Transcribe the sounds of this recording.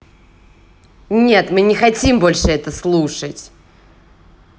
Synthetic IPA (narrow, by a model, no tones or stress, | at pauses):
nʲe̞t̪mɨnʲɪxɐtʲimbo̞lʲʂɨɛt̪əslˠuʂətʲ